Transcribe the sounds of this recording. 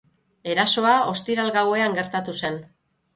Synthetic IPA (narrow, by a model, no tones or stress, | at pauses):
e̞ɾaso̞ao̞st̪iɾalɡawe̞aŋɡe̞ɾt̪at̪use̞n